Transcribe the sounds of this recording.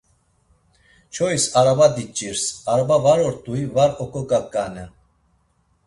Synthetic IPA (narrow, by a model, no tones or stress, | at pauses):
t͡ʃʰɔisaɾabad̪it͡ʃʼiɾsaɾabavaɾɔɾt̪ʼuivaɾɔkʼɔkʼakʼanɛ